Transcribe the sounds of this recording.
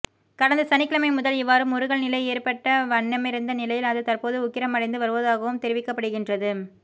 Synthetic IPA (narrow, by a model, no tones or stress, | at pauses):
kɐɽɐnd̪ɐsɐnɪkːɪlɐmɐɪmʊðɐlɪʋːaːɾɯmɔɾɯɣɐɭnɪlɐɪeːrpɐʈːɐʋɐɳːɐmɪɾɯnd̪ɐnɪlɐjɪlɐðɯt̪ɐrpoːðɯʊkːɪɾɐmɐɽɐɪnd̪ɯʋɐɾɯʋɐðaːɣɐʋɯmt̪ɛɾɪʋɪkːɐpːɐɽɯɣɪndrɐðɯ